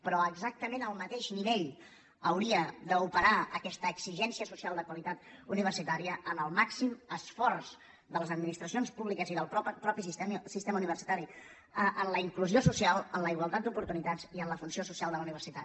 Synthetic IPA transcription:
pɾɔəɡzak̚t̪əmenəlˠmət̪eʃniβeʎ | əwɾiəd̪əupəɾaəkɛst̪əːɡz̥iʒɛnsiəsusialˠd̪əkwəlit̪at̪uniβərsit̪aɾiəʔənəlˠmaksiməsfɔrz | d̪ələzəd̪minist̪ɾəsionspuβlikəziðəlˠpɔpɾɔpisist̪ɛsist̪ɛməuniβərsit̪aɾi | əʔənləiŋkluziosusialˠənləiɣwəlˠt̪at̪̚d̪upuɾt̪unit̪ad͡ziənləfunsiosusialˠd̪ələuniβərsit̪a

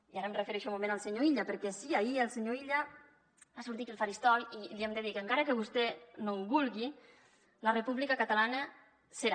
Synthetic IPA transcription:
iaɾəmrefeɾeʃɔmolβenalˠseɲoiʎapəɾkɛsiaielseɲoiʎa | βasuɾt̪itk̪elfaɾist̪ɔwjiliemd̪eðikeŋkaɾəkeβust̪ɛnombulˠɣi | larepuβlikakat̪alanə | seɾa

